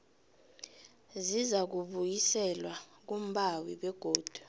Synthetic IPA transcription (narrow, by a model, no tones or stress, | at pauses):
zizak̬uɓujisɛlwak̬um̩ɓawiɓɛɡ̥ʱoːd̥ʱu̥